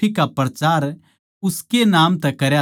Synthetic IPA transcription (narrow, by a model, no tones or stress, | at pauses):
ikapɾɐt͡ʃaːɾ | ʊskenaːmt̪ɛkɐɾja